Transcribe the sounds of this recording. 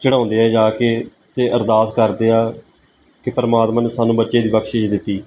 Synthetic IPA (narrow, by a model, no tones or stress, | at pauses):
t͡ʃəɽ̃ãːʊ̃nd̪eːɛːd͡ʒaːkeː | t̪eːʔəɾd̪aːt̪kəɾd̪eːaː | kɪpəɾəmaːt̪mãːneːsaːnũːbətːʃeːd̪iːbəkʃɪʃd̪ɪt̪ːiː